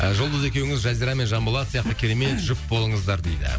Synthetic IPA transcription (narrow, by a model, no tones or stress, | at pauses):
ʒʊlˠd̪əze̞kʲe̞wɪŋɪzʒɑzijɾɑme̞nʒɑmbəlˠɑt̪sijɑqt̪əkʲʰeɾeme̞t̪ʒʏp̚bo̞lˠəɴəzd̪ɑɾd̪e̞̰jd̪ɪ̰